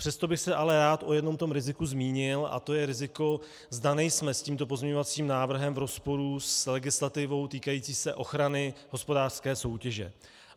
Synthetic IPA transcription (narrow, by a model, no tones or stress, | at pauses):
pr̝̥ɛst̪o̞bɪxsɛʔalɛɾaːt̪ʔo̞jɛdno̞mt̪o̞mɾɪzɪkuzmiːɲɪlʔa̰t̪o̞jɛɾɪzɪko̞ | zdanɛjsmɛsciːmt̪o̞p̬o̞zmɲɛɲo̞vat͡siːmnaːvr̩ɦɛmvɾo̞spo̞ɾuslɛɡɪslat̪ɪvo̞wt̪iːkajiːt͡siːsɛʔo̞xɾanɪɦo̞spo̞daːr̥skɛːso̞wcɛʒɛ̰